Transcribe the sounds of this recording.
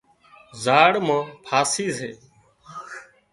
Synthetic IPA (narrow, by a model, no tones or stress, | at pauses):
zaːɽmãːpʰaːsiːzeː